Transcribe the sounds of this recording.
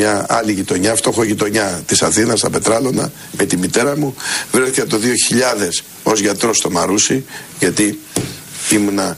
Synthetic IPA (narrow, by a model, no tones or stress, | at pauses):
ɲɐɐ̰liʝit̪o̞ɲɐft̪o̞xo̞ʝit̪o̞ɲɐt̪isɐθinɐst̪ɐpe̞t̪ɾɐlo̞nɐ̰ | met̪imit̪e̞ɾɐmuvɾeθi̥kɐt̪o̞ðio̞çiʎɐðe̞s | o̞zʝɐt̪ɾo̞st̪o̞mɐɾusiʝɐt̪i | imunɐ